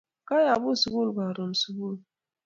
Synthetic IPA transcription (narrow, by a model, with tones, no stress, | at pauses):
ka˦ja˨bu˦˨su˨ɡu˦lka˨ɾo˨m˨su˨ɡu˦˨l